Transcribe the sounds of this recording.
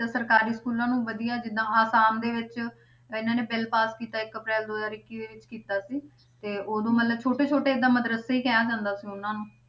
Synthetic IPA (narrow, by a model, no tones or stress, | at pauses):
aːsəɾkaːɾiːskuːlãːnũːʋəd̪ijaːd͡ʒɪd̪ãːaːsaːmd̪eːʋɪt͡ʃ | ɪnãːneːbɪlpaːskiːt̪aːɪkəpɾɛːld̪oːzaːɾɪkːiːd̪eːʋɪt͡ʃkiːt̪aːsiː | t̪eːʔoːd̪õːmət̪ləbt͡ʃʰoːʈeːt͡ʃʰoːʈeːɪd̪ãːməd̪ɾəseːiːkɛːaːd͡ʒãːnd̪aːsiːʊnãːnũː